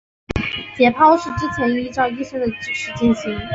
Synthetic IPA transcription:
t͡ɕjɛ˧˥pʰɑ˥ʊʂɻ̩˥˧ʈ͡ʂɻ̩˥t͡ɕʰɛ˧˥ni˥ʈ͡ʂɑ˥˧ʊi˥˧ɕɛ˥nd̪ə˨ʈ͡ʂɻ̩˨˩ʂɻ̩˥˧t͡ɕi˥˩nɕi˧˥˦ŋ

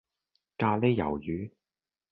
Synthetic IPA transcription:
kaː˧le˥jɐ̰˨˩wjyː˨˥

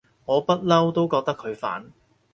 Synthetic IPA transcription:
ŋɔː˨˧pɐ˥t̚lɐ˥wt̪o˥wkɔː˧k̚t̪ɐ˥kʰːɵ˨˧ɥfa̰ː˨˥n

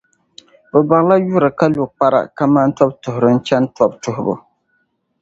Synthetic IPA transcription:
bʊ˨ba˨ŋla˦ju˦ɾɨ˨ka˦lu˨k͡pa˦ɾa̰˨ka˦ma˦n̩˦tɔ˦b̚tʊ˨hʊ˨ɾɨ˦n̩˦t͡ʃɛ˦n˦tɔ˦btʊ˨hʊ˨bʊ̰˨

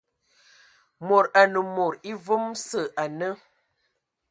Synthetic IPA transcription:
mo˨ɾa˨nə˨mo˨ɾi˦və˦msə˦˨a˨nə˦

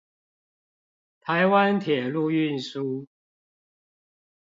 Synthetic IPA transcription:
t̪ʰa˨˦ɪwa˦˥nt̪ʰjɛ˨˩lu˥˧y˥˨nsu˦

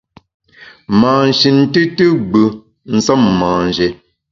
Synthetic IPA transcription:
maː˨n˨ʃi˨n̩˦tɨ˦tɨ˦ɡ͡bʉ˨ | n̩˦˨sə˦mːaː˨n˨d͡ʒe˨

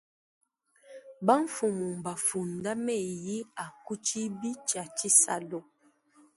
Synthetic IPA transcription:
ba˦ɱ˦fu˨mu˨m˨ba˨fu˨nda˦mɛ˦˨ji˦a˨ku˦t͡ʃi˦bi˦t͡ʃa˨t͡ʃi˦sa̰˨lɔ˨

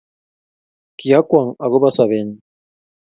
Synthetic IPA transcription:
kija˦kwa˨ŋa˨ɣo˦basaβen

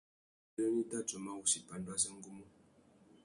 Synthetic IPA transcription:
ə˦ni˦ta˦to˨ma˦ɣu˨si˨pa˨ndwa˦sa˦ŋ̩˦ɡu˦mu˦

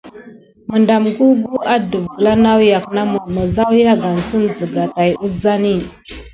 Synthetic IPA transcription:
mə˨nda˨mɡu˦ɡu˦a˦du˨vɡə˨la˦na˦wja˨kna˦mu˨ma˨za˦wja˦ɡa˨n˨sə˦nzə˨ɡa˨ta˨ju˦za˦ni˦˨

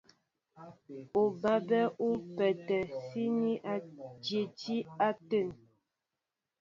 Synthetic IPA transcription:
u˨ba˨bɛ˦u˦pɛ˨tə˨si˦ni˦ʔa˦d͡ʒje˨d͡ʒi˦a˦tə˦˨n

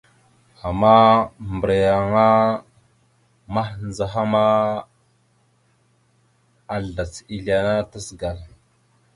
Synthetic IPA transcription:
a˨ma˦mbə˨ɾa˨ja˨ŋa˦ | ma˦hnd͡za˨ɦa˦ma˦ | a˨ɮda˨t͡si˨ɮa˨na˦ta˦sɡa˨l

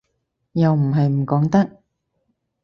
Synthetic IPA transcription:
jɐ˨wm̩˨˩ɦɐ˨jm̩˨˩kɔː˨˥ŋt̪ɐ˥k̚

